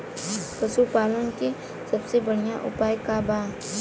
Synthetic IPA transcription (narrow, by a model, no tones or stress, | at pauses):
pəsupaːlənki | səbsebəɽ̤ijaʔʊ̰paːjkabaː